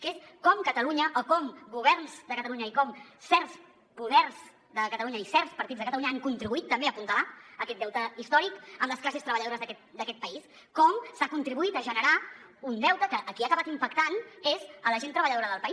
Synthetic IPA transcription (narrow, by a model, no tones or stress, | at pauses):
kes | kɔmkət̪əluɲəʔokɔmɡuβ̞ɛrnzd̪əkət̪əluɲəikɔmsɛrs | puðɛrz | d̪əkət̪əluɲəisɛrspəɾt̪idzðəkət̪əluɲəaŋkunt̪ɾiβuit̪ːəmbeəpunt̪əlaəkɛt̪̚d̪ɛwt̪əist̪ɔɾikəmləsklasest̪ɾəβəʎəðoɾəzðəkɛt̪̚d̪əkɛt̪̚pəis | kɔmsakunt̪ɾiβuit̪əʒənəɾaund̪ɛwt̪əkəʔːkiakəβat̪impəkt̪anezələʒent̪ɾəβəʎəðoɾəðəlˠpəi